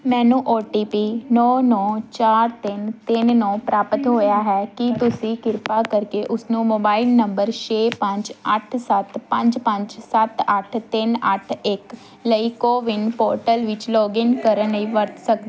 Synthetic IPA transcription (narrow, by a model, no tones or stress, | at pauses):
mɛ̃ːnũːʔoːʈiːpiːnɔːnɔːt͡ʃaːɾt̪ɪnt̪ɪnnɔːpɾaːpət̪ɦoːjaːɦɛːkit̪ʊsĩːkɪɾpaːkəɾkeːʔʊsnũːmoːbaːɪlnəmbəɾt͡ʃeːpəɲd͡ʒəʈʰsət̪pə̃ɲd͡ʒpə̃ɲd͡ʒsət̪əʈʰt̪ɪnəʈʰɪk | ləiːkoːʋɪnpɔːɾʈəlʋɪt͡ʃlɔːɡɪnkəɾənəĩːʋəɾt̪sək̚d̪iː